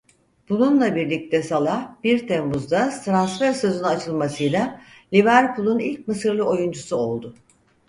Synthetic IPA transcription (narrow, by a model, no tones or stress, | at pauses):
b̥ununlˠabiɾlʲic̚t̪ʰɛsalˠahb̥iɾt̪ʰembuzd̪ast̪ɾansfæɾsøzunat͡ʃʰɯlˠmasɯjla | lʲivæɾpʰulˠunilʲcʲmɯsɯɾlˠɯo̞jund͡ʒusuo̞lˠd̪ʊ